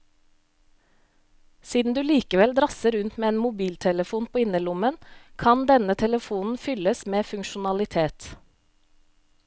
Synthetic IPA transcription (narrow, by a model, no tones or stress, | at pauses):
siːd̪n̩d̪ʉːliːkəʋɛld̪ɾɑsəɾʉnt̪meːeːnmʊbiːlt̪ʰɛləfuːnpʰoːɪnəlʊmənkʰɑnd̪ɛnət̪ʰɛləfuːnn̩fʏləsmeːfʉŋʃʊnɑlɪt̪ʰeːt̪